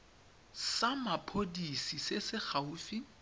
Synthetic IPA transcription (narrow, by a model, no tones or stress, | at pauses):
samapʰodisisesɪχʰauːfi